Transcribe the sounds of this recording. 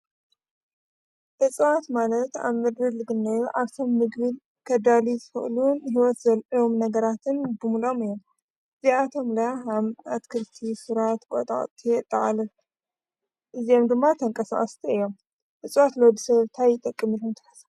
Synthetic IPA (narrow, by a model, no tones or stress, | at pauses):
ʔɨt͡sʼwat̪malɐt̪a̰βmɨd̪ɾɨlɨɡɨnːɐjuʔaβt̪ʰomːɨɡβɨl | kʰɐd̪alizɨfɨ̰ʔlunːɦiwɔt̪zɐlʔomnɐɡɐɾat̪ʰɨnbɨmulo̞mɨjːom | ɨziat̪ʰo̞mlɐjaɦamat̪kʰɨɾt̪ʰisɨɾat̪kʼot̪ʼa̰χʼt̪ʰʼːit̪ʼːɐʔʼalɐl | ʔɨzijomd̪ɨmːat̪ʰɐŋkʼɐsa̰χʼɐst̪ʰiɨjːo̞m | ʔɨt͡sʼwat̪lod̪isɐββt̪ʰajɪt̪ʼɐkʼːɨmɨlont̪ʰɐ̥ħɐ̥s